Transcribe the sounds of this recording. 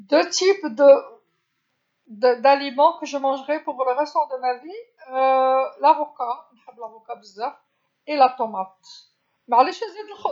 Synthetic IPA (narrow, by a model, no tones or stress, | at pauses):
d̪øt̪ipd̪ə | d̪əd̪alimɑ̃kəʒəmɑ̃ʒʁɛpuʁləʁɛst̪ɔ̃d̪əmavi | lavokanħəbːlavokabəzːaf | elat̪omat̪ | mʕleʃezed̪əlx